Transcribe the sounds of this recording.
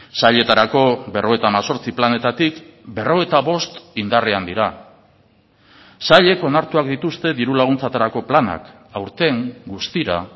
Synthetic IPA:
saʎe̞t̪aɾako̞βe̞rʔo̞e̞t̪aːmaso̞ɾt͡siplane̞t̪at̪ikbe̞ro̞e̞t̪aβo̞st̪ind̪areand̪iɾa | saʎe̞ko̞naɾt̪uak̚d̪it̪ust̪e̞ðiɾulaɣ̞unt͡sat̪aɾako̞plana̰k | awɾt̪e̞ŋɡust̪iɾa̰

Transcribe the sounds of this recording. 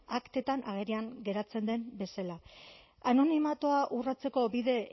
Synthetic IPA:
akt̪e̞t̪anʔaɣ̞eɾiaŋɡe̞ɾat͡se̞nd̪e̞mbe̞sala | ano̞nimat̪oaʔurat͡se̞ko̞biðe̞

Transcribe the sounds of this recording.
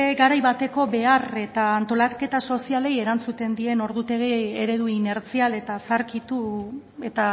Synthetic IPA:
eɡaɾajβat̪e̞ko̞βe̞are̞t̪aːnt̪o̞lake̞t̪aso̞siale̞je̞ɾant͡sut̪e̞nd̪ie̞no̞ɾðut̪e̞ɣeeɾe̞ð̞uine̞ɾt͡siale̞t̪asaɾkit̪u | e̞t̪a

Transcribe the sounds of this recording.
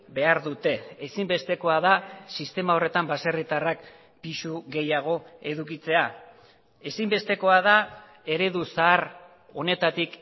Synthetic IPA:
be̞aɾðut̪e̞ːsimbe̞st̪e̞ko̞aðasist̪e̞mao̞re̞t̪ambaserit̪arak | pisuɣe̞jaɣ̞o̞e̞ðukit͡se̞a | e̞simbe̞st̪e̞ko̞að̞a | e̞ɾe̞ðusaːr | o̞ne̞t̪at̪ik

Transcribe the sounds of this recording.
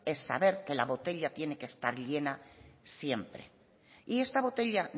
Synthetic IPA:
e̞sːa̰β̞e̞ɾke̞laβo̞t̪e̞ʎat̪je̞ne̞keːst̪aɾʎe̞nasje̞mpɾe̞̰ | ie̞st̪aβ̞o̞t̪e̞ʎan

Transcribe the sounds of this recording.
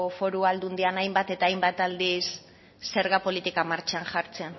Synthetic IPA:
ofo̞ɾuald̪und̪ianajmbat̪e̞t̪aːjmbat̪ald̪isː | e̞ɾɣapo̞lit̪ikamaɾt͡ʃanʝaɾt͡se̞n

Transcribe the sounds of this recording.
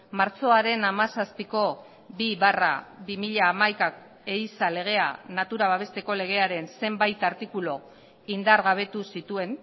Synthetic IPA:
maɾt͡so̞aɾe̞namasaspiko̞ | biβara̰βimiʎaːmajka | eisale̞ɣ̞e̞anat̪uɾaβ̞aβe̞st̪e̞ko̞le̞ɣ̞e̞aɾe̞nse̞mbajt̪aɾt̪ikulo̞ | ind̪aɾɣaβ̞e̞t̪usit̪ue̞n

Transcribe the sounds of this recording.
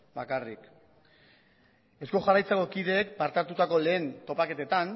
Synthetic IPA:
bakarḭk | e̞sko̞ʝarajt͡seko̞kiðe̞ːk̚paɾt̪aɾt̪ut̪ako̞le̞ːnt̪o̞pake̞t̪e̞t̪an

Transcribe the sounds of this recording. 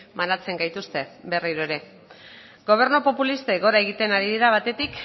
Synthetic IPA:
manat͡se̞ŋɡajt̪ust̪e̞be̞riɾoeɾe̞ | ɡo̞β̞e̞ɾnopo̞pulist̪eɣo̞ɾae̞ɣ̞it̪e̞naɾiðiɾaβ̞at̪e̞t̪ik

